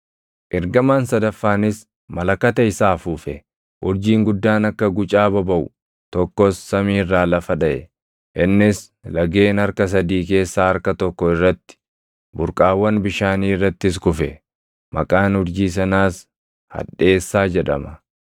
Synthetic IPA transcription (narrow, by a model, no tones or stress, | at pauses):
ʔɪɾɡɐmaːnsɐd̪ɐfːaːnɪs | mɐlɐkɐt̪ɐɪsaːfuːfɛ | ʔʊɾd͡ʒiːŋɡʊd̪ːaːnɐkːɐɡʊt͡ʃʼaːbɐbɐʔʊ | t̪ɔkːɔsːɐmiːrːaːlɐfɐᶑɐʔɛ̰ | ʔɪnːɪs | lɐɡe̞ːnɐɾkɐs̬ɐd̪iːke̞ːsːaːɐɾkɐt̪ɔkːɔɪrːɐt̪ːɪ̥ | bʊɾkʼaːwːɐnbɪʃaːniːɪrːɐt̪ːɪs̬kʊfɛ̰ | mɐkʼaːnʊɾd͡ʒiːs̬ɐnaːs | hɐ̰ᶑe̞ːsːaːd͡ʒɛᶑɐ̰mɐ